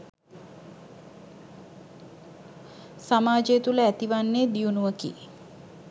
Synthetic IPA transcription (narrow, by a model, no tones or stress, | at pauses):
samaːd͡ʒejːt̪uləæt̪iʋanːeːd̪ijunuʋəkḭ